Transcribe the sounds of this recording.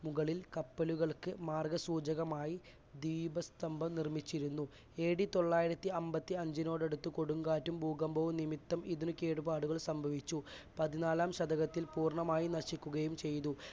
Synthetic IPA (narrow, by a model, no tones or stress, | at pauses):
muɣɐɭilkɐpːɐluɣɐɭkɨmaːrɡɐsuːd͡ʑɐɣɐmaːji | d̪iːbɐst̪ɐmbʱɐmnirmit͡ɕːiɾunːu | eːɽit̪o̞ɭːaːjiɾɐt̪ːiɐmbɐt̪ːiɐɲd͡ʑino̞ːɽe̞ɽut̪ːɨko̞ɽuŋɡaːtːumbʱuːɡɐmbʱoːnimit̪ːɐmiðunuke̞ːɽubaːɽuɣɐɭsɐmbʱɐʋit͡ɕːupɐðinaːlaːmɕɐd̪ʱɐɣɐt̪ːilpuːrɳɐmaːjinɐɕikʲːuɣɐjumt͡ɕe̞jt̪u